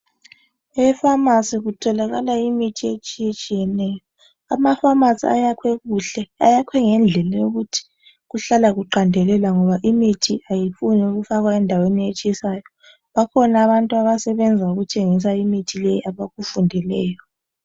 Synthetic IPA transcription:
ɛfamasiɣutʰɔlaɣalaimitʰiet͡ʃʼijet͡ʃʼijɛnɛːjɔ | amafamasia̰jakʰwɛɣuɬɛa̰jakʰwɛŋɛnd͡ɮʱɛlajoɣutʰi̥ | ɣuɬalaɣuǃandʱɛlɛlaŋɔβaʔimitʰiajifunɛuɣufaɣwaɛndʱaweniet͡ʃʼijsaːjɔ | βakʰɔnaβantʼuaβasɛβɛnd͡zʱauɣutʰʼeŋis̬aimitʰilɛjiaβaɣufundʱɛlɛːjɔ

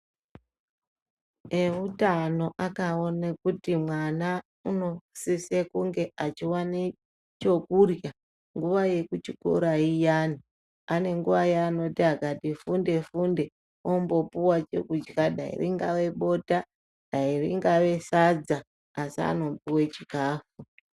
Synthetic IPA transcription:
eutano̞ʔakaonakutimwana | uno̞sisekuŋɡe̞ʔat͡ʃiwane | t͡ʃo̞kurja | ŋɡuʋaje̞kut͡ʃiko̰ɾaijaːni | ane̞ŋɡuʋajeano̞tiakatifunde̞funde̞ | ombo̞puwat͡ʃe̞̰kud͡ʒɡaɗa̰ḭrḭŋɡaʋe̞ɓo̞ta | ɗairḭŋɡaʋe̞sad͡zaː | sia̰no̞mpuwe̞t͡ʃikaːfu

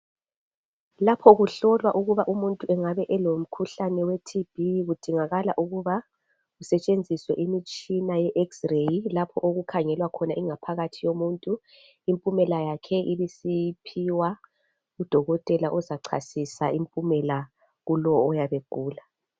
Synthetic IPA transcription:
lapʰɔɣuɬɔlwaʔuɣuβaʔumuntʼuɛŋaβɛʔɛlom̩kʰuɬanɛwetʰib̥ʱiɣud̥ʱiŋaɣalaʔuɣuβa | ɣusɛt͡ʃʼend͡zʱiswɛʔimit͡ʃʼinajɛʔɛksrejlapʰɔʔoɣukʰaŋɛlwakʰɔnaiŋapʰaɣatʰijomuntʼu | impʼumɛlajakʰɛʔiβisipʰiwa | ud̥ʱɔɣɔtʼɛlaʔɔzaǀʰa̰sisaimpʼumɛla | ɣulɔːjaβeɡ̥ʱuːla

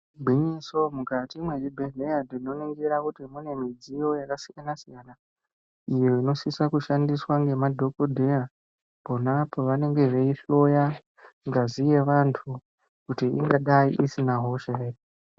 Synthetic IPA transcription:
bʱiɲiso̞mukatimwe̞d͡ʒibʱeɮejadino̞niŋɡeɾakutimune̞mid͡zijo̞jakasijanasijana | ijeino̞sisakuʃandiswaŋɡe̞madʱo̞kodʱeja | ponapoʋane̞ŋɡe̞ʐeiɬo̞ja | ŋɡazije̞ʋantʰu | kutiḭŋɡaɗaiʔisinaɦo̞ʃeri

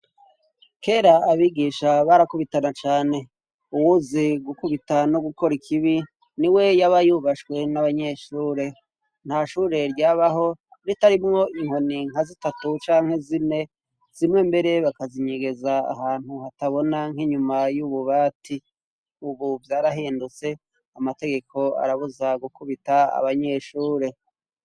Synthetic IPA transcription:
ke̞ːɾaːβiɡiːʃaβaɾakuβitanat͡ʃaːne̞ | uwuziɡukuβitano̞ɡuko̞ɾikʰiβi | niwe̞jaβajuβaʃkwe̞naβaɲe̞ʃuːɾe̞ | n̥haʃuːɾe̞ɾɟaːβaɦo̞ɾitaɾimŋo̞iŋho̞niŋ̥hazitatut͡ʃaːŋhe̞zine̞ | z̥imŋe̞mbe̞ɾe̞βakaziɲeɡe̞zaa̰ɦaːn̥huhataβo̞naŋ̥hiɲumajuβuβaːti | uβuvjaːɾaɦeːndut͡se̞ | amate̞ɡe̞kʰo̞a̰ɾaβuzaɡukuβitaa̰βaɲe̞ʃuːɾe̞

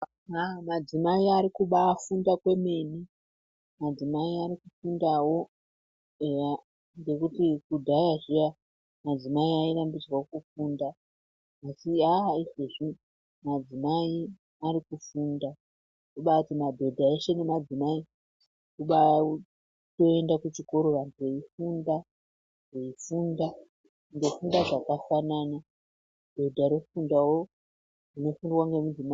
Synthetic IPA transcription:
aamad͡zimaiaɾikuɓaːfundakwe̞me̞ni | mad͡zimaiaɾikufundawo̞ | e | ŋɡe̞kutikudʱajaʐija | mad͡zimaiaiɾambid͡zwaokufundaː | siaɦaiʐoʐi | mad͡zimai | aɾikufuːnda | toɓautimabʱe̞dʱaeʃe̞ne̞mad͡zimai | kuɓa | to̞e̞ndakut͡ʃiko̞ɾo̞ʋantʰueifunda | neifunda | ŋɡe̞fundaʐakafanana | b̥ʱe̞dʱaɾo̞fundawo̞ | rino̞fundwaŋɡe̞mud͡zima

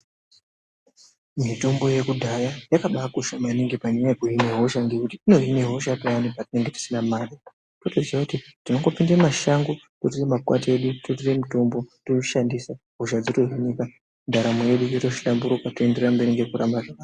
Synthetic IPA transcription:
mitombo̞je̞kudʱajajakaɓakuʃamaniŋɡipaɲajajekuɦineɦo̞ʃaŋɡekutiino̞ɦineɦo̞ʃatowanepatine̞ŋɡe̞ti̥sinamaːɗi | totoziakutitino̞ŋɡo̞pindemaʃaŋɡo | kotiremakwate̞ɗutot̬ire̞mitombotouʃandisa | ɦoʒad͡zitoɦinika | ndaɾamoje̞ɗujeto̞ʃiambuɾopatoe̞nde̞rrambe̞ɾiŋɡe̞kuramaʐaa

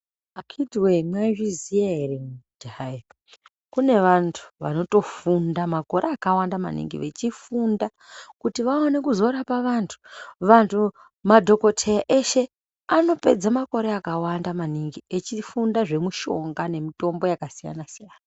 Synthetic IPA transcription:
akʰidwemwaviziaɦeremud̥ʱai | kune̞ʋantʰu̥ʋa̰no̞to̞fundamako̞ɾeːkawandama̰nḭŋɡḭʋe̞t͡ʃifunda | kutiʋawane̞kuzo̞ɾapaʋantʰu̥ʋantʰu | madʱo̞ko̞tʰejaʔe̞ʃe̞ | ano̞pe̞d͡zamako̞ɾeakawandamaniŋɡiet͡ʃifundaʐe̞muʃo̞̰ŋɡane̞mito̞mbojakasija̰nasijaːna

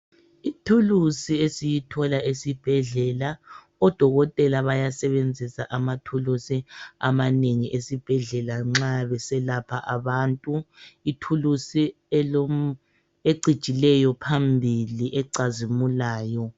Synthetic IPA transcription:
itʰulusiesijitʰɔlaʔesib̥ʱɛɮɛla | ɔd̥ʱɔɣɔtʼɛlaβajasɛβend͡zʱisaʔamatʰulusia̰maneŋiʔesib̥ʱɛɮɛlaŋ͡ǁaβɛsɛlapʰaʔaβantʼuitʰulusi | eǀid̥t͡ʃʼilɛjɔpʰambʱiliʔɛǀazimulaːjɔ

